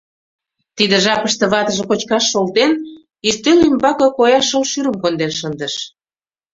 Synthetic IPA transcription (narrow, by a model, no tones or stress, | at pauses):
t̪id̪ə̆ʒɑpəʃt̪ĕβɑt̪ə̆ʒĕkot͡ɕkɑʃːolt̪en | ist̪ølymbɑkɤ̆kojɑʃəlʃyɾə̆mkond̪eʃənd̪ə̆ʃ